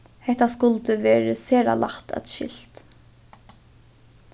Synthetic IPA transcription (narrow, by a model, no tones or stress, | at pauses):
hɛht̪askʊlt̪əʋeːɹəseːɾa̰la̰ht̪a̰t̪ʃɪ̰l̥t̪